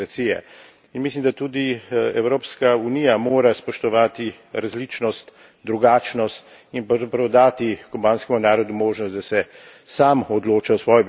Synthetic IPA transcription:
ɾasijɛ̰ | inmislimd̪at̪uːd̪iɛwɾoːpskaunijamoːɾaspɔʃt̪ɔʋaːt̪i | ɾazlit͡ʃnɔst̪ | d̪ɾuɡaːt͡ʃnɔst̪ | inpɾɐwzapɾɐwd̪aːt̪ikɔbaːnskɛmunaːɾɔd̪umoːʒnɔst̪d̪asɛ | saːmɔd̪loːt͡ʃaɔsʋɔːjɛ

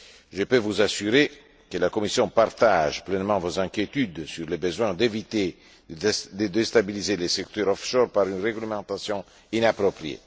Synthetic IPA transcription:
ʒəpøvuzasyɾe | kəlakomisjɔ̃part̪aʒplɛnmɑ̃vozɛ̃ŋkjet̪yd̪syɾlebəzwɛ̃d̪evit̪e | d̪əd̪est̪abilizelesɛkt̪øɾɔfʃɔrpaɾynreɡləmɑ̃t̪asjɔ̃ | inapɾopɾiḛ

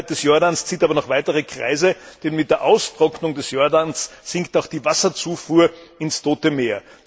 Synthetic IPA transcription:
t̚d̥ɛsjɔɐdanst͡siːtaːbɐnɔχv̥aɪtəʁəkʁ̥a̰ɪzəd̥ɛnmɪt̚d̥eːɐʔaʊstʁ̥ɔknʊŋdɛsjɔɐdansz̥ɪŋktaʊxd̥iːvasɐt͡suːfuːɐɪnstʰoːtəmeːɐ

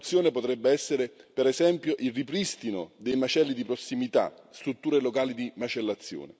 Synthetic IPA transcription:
t̪sːjoːnepot̪ɾɛbːeɛsːeɾepeɾezɛmpjoʔilripɾist̪inod̪ejmat͡ʃɛlːid̪ipɾosːimit̪a̰ | st̪ɾut̪ːuːɾelokaːlid̪imat͡ʃelːat̪sːjo̰ːnḛ

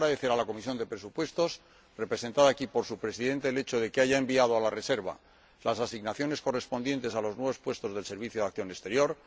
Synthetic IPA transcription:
ɾaðe̞θe̞ɾalako̞mis̬jo̞nd̪epɾe̞supwe̞st̪o̞s | re̞pɾe̞se̞nt̪aðaːkipo̞ɾsupɾe̞siðe̞nt̪e̞ːle̞t͡ʃoðe̞keaʝaembiað̞oalare̞se̞ɾβa̰ | lasasiɣnaθjo̞ne̞sko̞re̞spo̞nd̪je̞nt̪e̞salo̞znwe̞βo̞spwe̞st̪o̞zðe̞lse̞ɾβ̞iθjoðakθjo̞nest̪e̞ɾjo̞ɾ

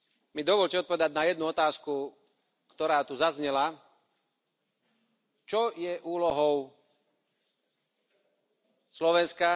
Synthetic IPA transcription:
mid̪ɔʋɔʎcɛɔt̪̚pɔʋɛd̪aɟnajɛd̪̚nuɔt̪aːsku | kt̪ɔɾaːt̪uzazɲɛla | t͡ʃɔjɛʔuːlɔɦɔʊ | slɔʋɛnska

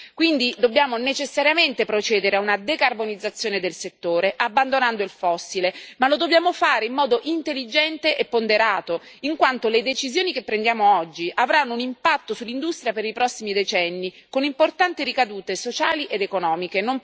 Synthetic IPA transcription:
kwind̪id̪obːjaːmonet͡ʃesːaɾjament̪epɾot͡ʃɛːd̪eɾeaunad̪ekarbonid̪zːat̪sːjoːned̪elset̪ːoːɾeʔabːand̪onand̪oilfɔsːilemalod̪objaːmofaːɾeimːɔːd̪oʔint̪elːid͡ʒɛnt̪eʔepːond̪eɾaːt̪oiŋkwant̪oled̪et͡ʃizjoːnikepːɾend̪jaːmoɔd͡ʒːiʔavɾanːounimpat̪ːosulːind̪ust̪ɾjapeɾipɾɔsːimid̪et͡ʃɛnːikonimport̪ant̪iɾikad̪uːt̪esot͡ʃaːliʔed̪ekonɔːmikenom

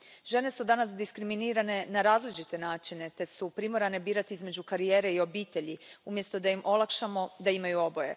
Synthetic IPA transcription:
ʒe̞ne̞sud̪anasd̪iskɾiminiːɾane̞naɾaːzlit͡ʃit̪e̞naːt͡ʃine̞t̪e̞supɾimo̞ɾane̞biːɾat̪iizme̞d͡ʑukaɾijeːɾe̞io̞biːt̪e̞ʎiumje̞st̪o̞d̪aimʔo̞lˠakʃamo̞d̪aimajuo̞boje̞̰

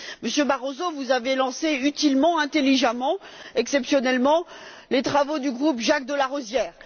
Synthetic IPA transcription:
məsjøbaʁozovuzavelɑ̃seyt̪ilmɑ̃ɛ̃t̪eliʒamɑ̃ɛksɛpsjɔnɛlmɑ̃ | let̪χavod̪yɡʁupʒak̚d̪əlaʁozjɛːʁ

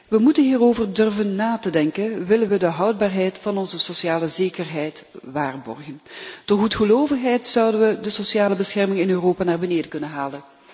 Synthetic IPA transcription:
ʋəmutənɦiːroːvərdɵrvənːaːtədɛŋkənʋɪlənʋədəɦɑwd̚baːrɦɛjtfɑnɔnzəsosjaːləzeːkərɦɛjtʋaːrbɔ̰rɣəntɔxutχəloːvəxɦɛjtsʌwdənʋədəsosjaːləbəsxɛrmɪŋɪnøːroːpaːnaːrbəneːdəkɵnənɦaːlən

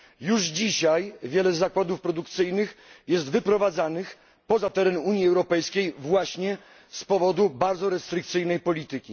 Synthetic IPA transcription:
juʐd͡ʑiɕajvʲjɛlɛzːakwad̪ufpɾɔd̪uk̚t̪sɘjnɘxjɛs̬t̪vɘpɾɔvad̪zanɘx | pɔzat̪ɛɾɛnuɲjiɛwɾɔpɛjskʲejvwaɕɲɛ | spɔvɔd̪ubaɾd̪zɔɾɛst̪ɾɘkt̪sɘjnɛjpɔlʲit̪ɘkʲi

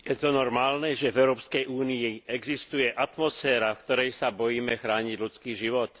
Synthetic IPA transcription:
jɛt̪ɔnɔɾmaːlnɛʒɛvɛʊɾɔːpskɛjuːniiɛɡzist̪ujɛʔat̪mɔsfɛːɾafkt̪ɔɾɛjsabɔjiːmɛxɾaːɲiɟlut͡skiːʒiʋɔt̪

